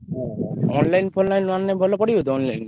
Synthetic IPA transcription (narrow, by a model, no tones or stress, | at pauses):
ɔnlajnfonlajnanːebʱɔlopɔɽiɦot̪oɔnlajn